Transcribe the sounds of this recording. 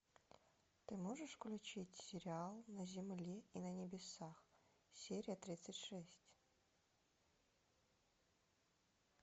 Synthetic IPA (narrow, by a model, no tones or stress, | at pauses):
t̪ɨmoʐɨʂklʲʊt͡ɕitʲsʲɪɾʲɪalˠnəzʲɪmlʲeinənʲɪbʲɪsax | sʲeɾʲɪjət̪ɾʲit̪sətʲʂɛsʲtʲ